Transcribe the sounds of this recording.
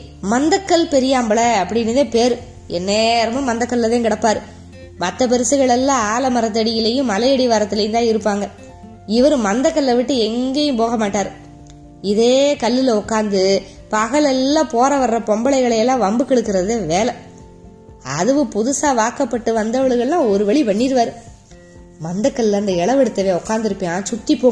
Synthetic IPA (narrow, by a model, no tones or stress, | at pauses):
mɐnd̪ɐkːɐlpɛɾɪjaːmbɐɭɐːpːɐɽɪnːɐðẽːpeːɾɯ | ɛnːeːɾɐmɯ̃mɐnd̪ɐkːɐɭlɐðãːkɪɽɐpːaːɾɯ | mɐt̪ːɐp̬ɛɾɯsɯɣɐɭɛlːãːaːlɐmɐɾɐt̪̬ːɐɽɪjɪlejɯ̃mːɐlɐjɛɽɪʋaːɾɐt̪ːɯlɐjɯnt̪ãːɪɾɯpːaːŋɡɐ | ɪʋɐɾɯ̃mɐnd̪ɐkːɐɭːɐʋɪʈːɯɛŋɡeːjɯ̃mpoːɣɐmaːʈːaːɾɯ | ɪðeːkɐlːɪlɐɔkːaːnd̪ɯ | pɐɣɐɭɛlːãːpoːɾɐʋɐrːɐpɔmbɐɭɐɪɣɐɭɐjɛlːãːʋɐmbɯkɛɽɯkːɯɾɐðɯeʋeːlɐ | ɐ̰ðɯʋɯ̃pʊðɯsaːʋaːkɐpːɐʈːɯʋɐnd̪ɐʋɐɭɯɣɐɭlãːɔɾɯʋɛɭipɐɳːiːɾɯʋaːɾɯ | mɐnd̪ɐkːɐɭɪlɐɯnd̪ɐɛɭɐʋɛɽɯt̪ːɐʋeːɔkːaːnd̪ɪɾɯpːẽãːt͡ʃʊʈːipːoː